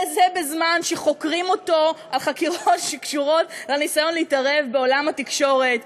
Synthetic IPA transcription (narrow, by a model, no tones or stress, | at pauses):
zebezmanʃeχo̞kʁimo̞to̞alχakiʁo̞tʃekʃuʁo̞tlanisajo̞nleitaʁevbe̞o̞lamhatikʃo̞ʁe̞t